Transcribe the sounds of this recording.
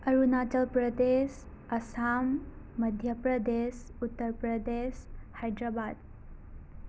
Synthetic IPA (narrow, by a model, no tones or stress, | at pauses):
əɾunat͡ɕəlpɾəd̪es | ɐsamː | əd̪ʱjəpɾəd̪esut̪ːəɾpɾəd̪eɕhajd̪ɾabad̪